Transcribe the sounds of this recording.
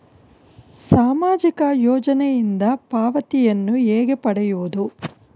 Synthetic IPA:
saːmaːd͡ʒikɐjɔːd͡ʒɐnɛjind̪ɐpaːʋɐt̪ijɐnːueːɡepɐɽɛjuʋud̪u

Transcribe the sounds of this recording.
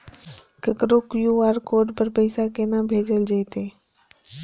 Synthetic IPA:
kəkɾʊkjuːaːɾkoːɖpəɾpəɪsakeːnãːbʱeːd͡ʒəld͡ʒeːt̪eː

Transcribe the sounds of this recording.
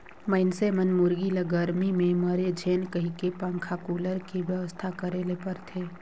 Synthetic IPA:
məɪnsemənmʊɾɡiləɡəɾmimẽməɾed͡ʒʱeːnkəɦikepə̃ŋkʰakuːləɾkiʋjəʋəst̪ʰakəɾeːlepəɾt̪ʰeː

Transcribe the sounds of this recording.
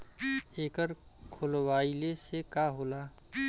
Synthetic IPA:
eːkəɾ | kʰʊlwaːilesekaːɦoːlaː

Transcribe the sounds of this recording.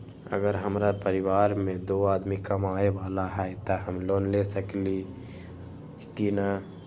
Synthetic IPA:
ə̰ɡəɾɦəmɾapəɾɪʋaːɾmẽd̪oaːd̪mikəmaːeʋaːlaɦɛt̪əɦəmloːnlesəkli | t̪ina

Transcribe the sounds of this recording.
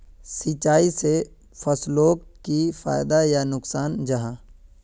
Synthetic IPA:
sit͡ʃaːise | fʰɐsloːkkifa̰ːɪd̪ajanʊksaːnd͡ʒɐɦãː

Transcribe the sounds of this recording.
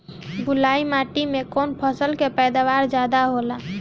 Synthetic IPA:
bulaimaʈimekonpʰəsəlkepɛjd̪aʋaɾd͡ʒad̪aɦola

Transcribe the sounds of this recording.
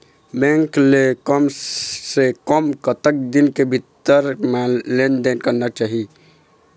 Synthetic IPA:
bẽŋklekəmsekəmkət̪ək̚d̪inkebʱit̪ːəɾmelend̪enkəɾnat͡ʃaɦi

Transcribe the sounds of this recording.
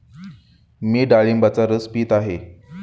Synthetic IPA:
miːɖaɭimbat͡saɾəspiːt̪aɦe

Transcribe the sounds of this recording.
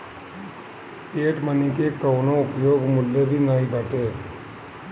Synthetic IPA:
eːʈmənĩkekəwnoʊpjoːɡmʊlːebʱinaːɦibəʈeː

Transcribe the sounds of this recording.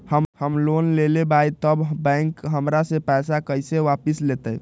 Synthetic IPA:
həmhəmlonlelebajt̪əbbɛ̃ŋkɦəmɾasẽpɛsakəjseʋapislet̪ə

